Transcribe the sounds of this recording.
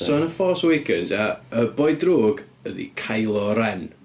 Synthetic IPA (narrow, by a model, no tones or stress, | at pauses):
sɔnəfɔːswejkʰənzaəbɔjdroːɡ | əðḭkʰajlˠɔɾɛn